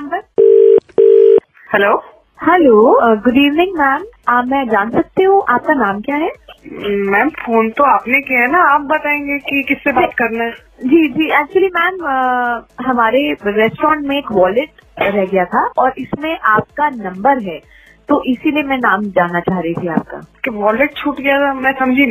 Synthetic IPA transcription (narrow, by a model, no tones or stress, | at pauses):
ɐmbəɾ | hɛloː | hɛloːɡʊɖiːʋnɪ̃ŋɡmɛːmaːpmɛ̃d͡ʒaːnsɐk̚t̪eɦũʔaːp̚kanaːmkjaːɦɛː | mɛ̃ːmfoːnt̪oaːpnekiɦɛnaaːp̚bɐt̪aːẽːŋɡekikɪsːebaːt̪kɐɾnaɦɛ | d͡ʒiːd͡ʒiːæːk̚t͡ʃuəlimɛːməɦɐmaːɾeɾɛːsʈɾɔ̃ːɳʈmẽeːkʋɔːlɪʈɾɛɦɡɐjat̪ʰaʔɔːɾʔɪsmẽʔaːp̚kanɐ̃mbəɾɦɛː | t̪oʔɪsiliemɛ̃naːmd͡ʒaːnːat͡ʃaːɦɾɐit̪ʰia̰ːp̚ka̰ːkʋɔːleʈ̚t͡ʃʰuːʈɡɐjat̪ʰamɛ̃sɐmd͡ʒʱi